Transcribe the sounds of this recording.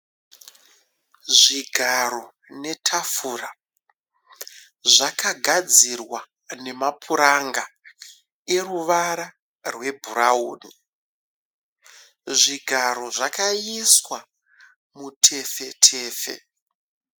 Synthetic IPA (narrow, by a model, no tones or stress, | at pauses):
ʐiɡʱaɾo̞ | ne̞tʰafuːra | ʐakaɡʱad͡zirwa | ne̞mapʰuɾaŋɡa | e̞ruʋaɾa | rwe̞bʱuɾauːni | ʐiɡʱaɾo̞ʐakajiswa | mutʰe̞fetʰeːfḛ